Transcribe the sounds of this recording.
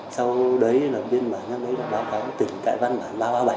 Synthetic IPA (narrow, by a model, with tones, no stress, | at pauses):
sa˧wɗə˨˦jlaː˨˩ɓe˧nɓaː˨˩nɲa˨˦˥m̚ɗə˨˦jla˨˩ɓaː˨˧˦wfaː˨˦wt̪ï˨˩ŋ̟t̪a̰ː˧˨jva˧nɓaː˨˩˦nɓaː˧ɓaː˧ɓa˨˩˦